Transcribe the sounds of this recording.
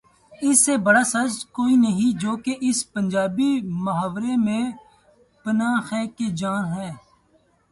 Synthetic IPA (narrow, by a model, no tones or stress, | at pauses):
ɪsːebɐɽaːsɐd͡ʒkoːinəɦĩd͡ʒoːkeʔɪspə̃nd͡ʒaːbimʊɦaːʋɾemẽ | pənaːxɛːkːed͡ʒaːnɦɛ̃ː